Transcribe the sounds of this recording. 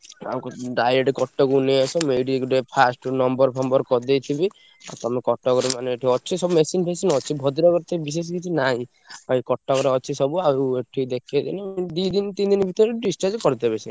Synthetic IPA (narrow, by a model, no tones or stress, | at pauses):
a̰wkuɖajeʈekɔʈːɔkuneɔsɔmeɖikuɖepʰasʈnɔmbɔɾpʰɔmbɔɾkɔd̪ejt̪ʰibi | a̰t̪ɔmekɔʈːɔkɔɾemaneʈʰiɔt͡ʃʰisɔbumesinpʰesinɔt͡ʃʰibʱɔd̪iɾɔkɔɾt̪ɔibis̬es̬kit͡ʃʰinaɦĩ | aikɔʈːɔkɔɾeɔt͡ʃʰisɔbuaeʈʰid̪ekʰied̪ined̪id̪int̪ind̪inbʱit̪ɔɾeɖist͡ʃaɾd͡ʒkɔɾit̪ebet͡ʃʰi